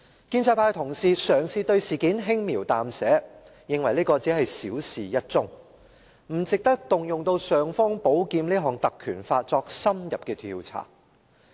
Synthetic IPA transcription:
kiː˧nt͡sʰɐ˧jpʰaː˧jt̪ʰʊ˨˩ŋsiː˨sœː˨˩ŋsiː˨˧t̪ɵ˧ɥsiː˨˩kiː˨˥nɦɪ˥ŋmiː˨˩wt̪aː˨msɛː˨˥ | jɪ˨ŋwɐ˨˩jliː˥kɔː˧t͡siː˨˥ɦɐ˨jsḭː˨˥wsiː˨˩jɐ˥t̚t͡sʊ˥ŋ | m̩˨˩t͡sɪ˨k̚t̪ɐ˥k̚t̪ʊ˨ŋjʊ˨ŋt̪o˧wsœː˨ŋfɔː˥ŋpo˨˥wkiː˧mniː˥ɦɔː˨˩ŋt̪ɐ˨kʰyː˨˩nfaː˧t̚t͡sɔː˧k̚sɐ˥mjɐ˨p̚kɛː˧t̪ʰḭː˧wt͡sʰa̰ː˨˩

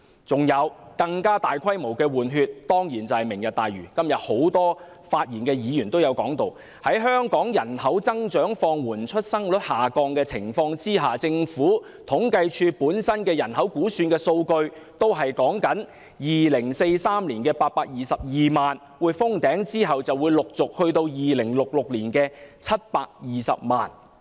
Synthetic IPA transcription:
t͡sʊ˨ŋjɐ˨˧wkɐ˧ŋkaː˥t̪aː˨jkʰɐ˥jmo˨˩wkɛː˧wuː˨˩nɦyː˧t̚t̪ɔː˥ŋjiː˨˩nt͡sɐ˨whɐ˨˩jmɪ˨˩ŋjɐ˨t̚t̪aː˨˩jɥyː˨˩kɐ˥mjɐ˨t̚ho˨˥wt̪ɔː˥ | faː˧t̚jiː˨˩nkɛː˧jiː˨˧jyː˨˩nt̪o˥wjɐ˨˧wkɔː˨˥ŋt̪o˨w | hɐ˨˥jɦœː˥ŋkɔː˨˥ŋjɐ˨˩nhɐ˨˥wt͡sɐ˥ŋt͡ʃœː˨˥ŋfɔː˧ŋwuː˨˩nt͡ʃʰɵ˥t̚sɐ˥ŋlɵ˨˥t̚haː˨˩kɔː˧ŋkɛː˧t͡sʰɪ˨˩ŋfɔː˧ŋt͡siː˥ɦaː˨t͡sɪ˧ŋfuː˨˥ | t̪ʰʊ˨˥ŋkɐ˧jt͡ʃʰyː˧puː˨˥nsɐ˥nkɛː˧jɐ˨˩nɦɐ˨˥wkuː˨˥syː˧nkɛː˧so˧wkɵ˧ɥ | t̪o˥wɦɐ˨jkɔː˨˥ŋkɐ˨˥n | jiː˨lɪ˨˩ŋse˧jsaː˥mliː˨˩nkɛː˧paː˧t̚paː˧k̚jiː˨˩sɐ˨p̚jiː˨maː˨n | wuː˨˧jfʊ˥ŋt̪ɛː˨˥ŋt͡siː˥ɦɐ˨wt͡sɐ˨wuː˨˧jlʊ˨k̚t͡sʊ˨k̚hɵ˧ɥt̪o˧wjiː˨lɪ˨˩ŋlʊ˨k̚lʊ˨k̚liː˨˩nkɛː˧t͡sʰɐ˥t̚paː˧k̚jiː˨sɐ̰˨p̚ma̰ː˨n

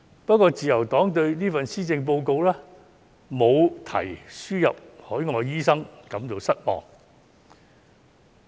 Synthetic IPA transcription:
pt̚kʷːɔː˧t͡siː˨jɐ˨˩wt̪ɔː˨˥ŋt̪ɵ˧ɥniː˥fɐ˨nsiː˥t͡sɪ˧ŋp̬o˧wko˧wlɛː˥ | mo˨˧wt̪ʰɐ̰˨˩jsyː˥jɐ̰˨p̚hɔː˨˥jŋɔː˨˧jiː˥sɐ˥ŋkɐ˨˥mt͡s̪o˨˧wsɐ˥t̚mɔ̰ː˨ŋ

